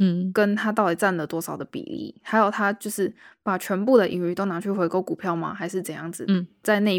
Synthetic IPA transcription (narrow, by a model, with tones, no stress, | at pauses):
kə˦˥nt̪ʰa˥t̪̬ɑ˥˩ʊi˨˩t͡sa˥˩nlə˩t̪wɔ˥sɑ˨˩ʊd̪ə˦pḭ˨˩lḭ˥˩xa˧˥ɪjo˨˩ʊt̪ʰa˦˥t͡ɕjo˥˧ʊʂɻ̩˥˩pa˨˩t͡ɕʰɥɛ˧˦˥npu˥˩d̪ə˩ʔi˨˩ŋy˧˥˩t̪o˥ʊna˧˥t͡ɕʰy˥˩xwe˧˥ɪko˥ʊku˨˩pʰjɑ˥˩ʊma̰˨˩xa˧˥ɪʂɻ̩˥˩t͡sə˨˩njɑ˥˩ŋd͡z̩˩t͡sa˥˧ɪna˥˧